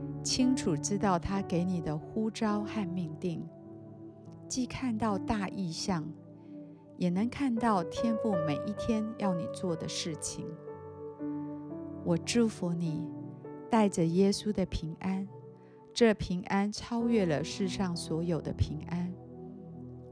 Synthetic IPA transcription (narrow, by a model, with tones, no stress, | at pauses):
t͡ɕʰi˥ŋʈ͡ʂʰu˨˩ʈ͡ʂɻ̩˥t̪ɑ˥˩ʊt̪ʰa˥ke˧˥ɪni˨˩d̪ə˦xu˥ʈ͡ʂɑ˥ʊxa˥˧nmi˥˧ŋt̪i˥˩ŋ | t͡ɕi˥˧kʰa˥˧nt̪ɑ˥˧ʊt̪a˥˧ʔi˥˧ɕjɑ˥˩ŋ | jɛ˨˩nə˨˧˥ŋkʰa˥˧nt̪ɑ˥˩ʊt̪ʰjɛ˥npu˥˩me˨˩ɪʔi˥˩t̪ʰjɛ˥njɑ˥˩ʊnḭ˨˩t͡swɔ˥˩d̪ə˩ʂɻ̩˥˩t͡ɕʰi˨˩ŋ | wʔɔ˨˩ʈ͡ʂu˥˩fu˧˥ni˨˩˦t̪a˥˩ɪʈ͡ʂə˩jɛ˥su˥d̪ə˨pʰi˧˥ŋʔa˥n | ʈ͡ʂɤ˥˩pʰi˧˥ŋʔa˥nʈ͡ʂʰɑ˥ʊɥɛ˥˩lə˨˩ʂɻ̩˥˧ʂɑ˥˩ŋswɔ˧˥jo˨˩ʊd̪ə˦pʰi˧˥ŋʔa˥n